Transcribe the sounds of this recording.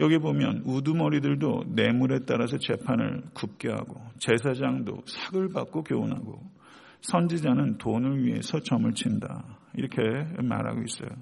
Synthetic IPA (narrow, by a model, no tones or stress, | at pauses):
jʌɡiebomjʌ̰nudumʌɾidɯɭdone̞muɾe̞t͈aɾas̬ʰʌt͡ɕe̞pʰanɯ̰ɭkup̚k͈eɦa̰ɡot͡ɕe̞s̬ʰad͡ʑaŋdo̰sʰaɡɯɭbak̚k͈okjoonɦa̰ɡo | sʰʌnd͡ʑid͡ʑanɯntonɯɭɥiɦe̞̰sʰʌt͡ɕʌmɯɭt͡ɕʰinda̰iɾʌkʰe̞ma̰ɾɦa̰ɡois͈ʌjo